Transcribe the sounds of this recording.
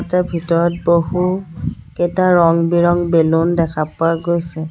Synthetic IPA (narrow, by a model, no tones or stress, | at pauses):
tɛbʱitɔɹɔt̚bohuketaɹɔŋbiɹɔŋbelondɛkʰapʊaɡojsɛ